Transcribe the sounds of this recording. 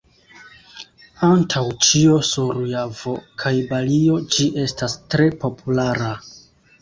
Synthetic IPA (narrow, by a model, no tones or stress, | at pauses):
antʰawt͡ʃiosuɾujavo̞kʰajbalio̞d͡ʒiʔe̞stastɾe̞po̞pʰulaɾa